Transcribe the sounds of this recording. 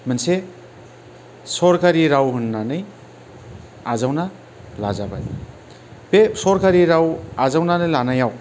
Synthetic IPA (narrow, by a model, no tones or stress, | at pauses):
mɯnse | sɔɾkaɾiɾawɦunːanɯj | azawna | la̰zaba̰j | besɔɾkaɾiɾawazawnanɯjlanajaw